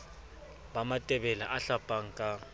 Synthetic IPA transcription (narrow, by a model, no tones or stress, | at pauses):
bamatʼɛbɛlaʔaɬapʼaŋ̩kʼa